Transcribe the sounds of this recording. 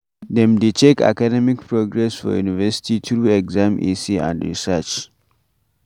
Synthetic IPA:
dɛ̃mdet͡ʃeka̰kadɛmikpʰɹoɡɹɛsfɔ̰jṵnivɛsi̥titɹuɛɡzãmʔḭsiã̰ndɹḭsɛt͡ʃ

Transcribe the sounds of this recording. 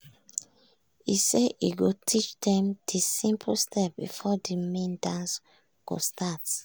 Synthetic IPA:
iseʔiɡotʰit͡ʃdɛ̃md̥isĩmpʰlstʰɛp̚bḭfɔdimẽndãns | ɡ̥o̰stʰat

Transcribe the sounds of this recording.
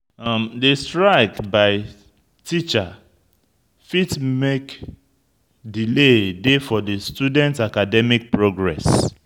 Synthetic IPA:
mdestɹaɪkbaɪ | tit͡ʃa | fitmek | diledefɔdestudɛ̃ntakadɛmik̚pɹoɡɹɛ̰s

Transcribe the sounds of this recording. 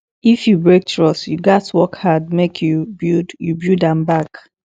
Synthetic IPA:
ifjubɹek̚tɹɔsjuɡatwɔkhad̚mekʰjubjudjubjudãmbak

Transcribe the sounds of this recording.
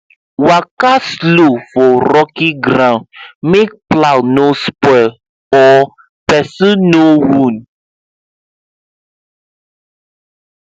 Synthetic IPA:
wakaslofɔɾɔkiɡɾãnmek̚plawnospɔɪl | ɔ | pɛsinowũn

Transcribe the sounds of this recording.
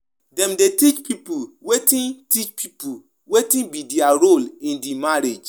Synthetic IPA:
dɛ̃mdetit͡ʃpipuwetĩntit͡ʃpʰipu | wetĩnbidiaɾolĩndimaɾed͡ʒ

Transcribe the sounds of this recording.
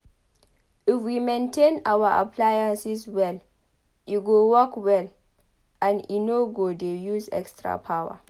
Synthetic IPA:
ʔɪfwimẽntʰẽnawaʔa̰plajansiswɛl | juɡowɔkwɛl | ʔãnḭnoɡodejuzɛ̰kstɹa̰pʰawa̰

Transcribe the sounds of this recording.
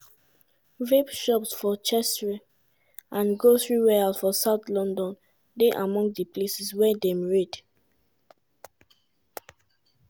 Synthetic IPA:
vebʃɔpsfɔt͡ʃɛstɹi | ãnɡoθɹiɹɛalsfɔsaʊt̪lɔ̃ndɔ̃n | deʔamɔ̃ŋsdəplesiswɛdɛ̃mɹed

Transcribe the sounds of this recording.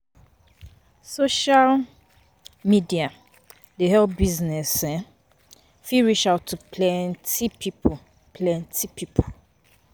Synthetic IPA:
soʃal | midia | dehɛlp̚biznɛsɛ̃ | fiɹiʃaʊtʰːupʰlɛ̃ntipʰipʰ | pʰlɛ̃ntʰipʰipʰo

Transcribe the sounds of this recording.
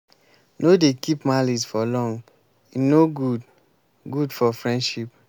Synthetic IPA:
nodekipmalisfɔlɔ̃ŋ | inoɡud | ɡudfɔfɹɛ̃ndʃip

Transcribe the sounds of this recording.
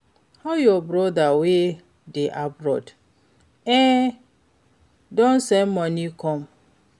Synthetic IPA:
hajɔbɾɔdawe | deʔabɾɔ̰d | ɛ | dɔ̃nsɛnmɔnikɔ̃m

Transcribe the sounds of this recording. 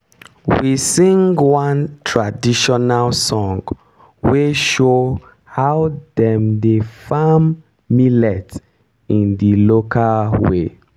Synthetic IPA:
wisĩŋɡwãntʰɹadiʃɔnalsɔ̃ŋɡ | weʃo | haʊdɛ̃mdefamː | ilɛt | ĩndilokʰalwḛ

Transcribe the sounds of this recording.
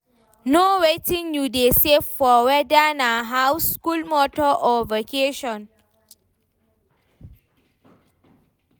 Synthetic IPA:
nowetĩŋjudesevfɔwɛdanãɦawskulmɔtɔʔɔvokʰeʃɔ̃n

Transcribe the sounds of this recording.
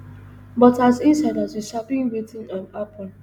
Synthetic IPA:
bɔtazinsadazwiʃapɪ̃ŋwetɪ̃nãnapɔn

